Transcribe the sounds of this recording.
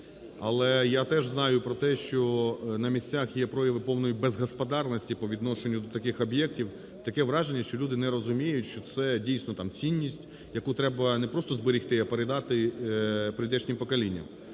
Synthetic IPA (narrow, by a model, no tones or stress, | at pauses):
ɐlˠɛjat̪ɛʒznɑjʊpɾɔt̪ɛʃt͡ʃɔnɐmʲisʲt͡sʲaxjɛpɾɔjɐʋɪpɔwnɔjibɛzɦɐspɐd̪ɑrnɔsʲtʲipɔʋʲid̪nɔʃenʲːʊd̪ɔt̪ɐkɪxɔbjɛk̚tʲiw | t̪ɐkɛʋɾɑʒenʲːɐʃt͡ʃɔlʲud̪ɪnɛɾɔzʊmʲijʊtʲʃt͡ʃɔt̪sɛdʲijsʲnɔt̪ɑmt͡sʲinʲːisʲtʲ | jɐkut̪ɾɛbɐnɛpɾɔst̪ɔzbɪɾʲixt̪ɪɐpeɾɪd̪ɑt̪ɪ | pɾɪd̪ɛt͡ʃnʲimpɔkɐlʲinʲːɐ̰m